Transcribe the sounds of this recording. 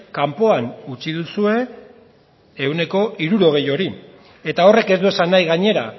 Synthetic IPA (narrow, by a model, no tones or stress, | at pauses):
kampo̞anut͡siðusue̞ | wne̞ko̞ʔiɾuɾo̞ɣ̞e̞jo̞ɾi | e̞t̪ao̞re̞ke̞zd̪ue̞sanːajɣaɲe̞ɾa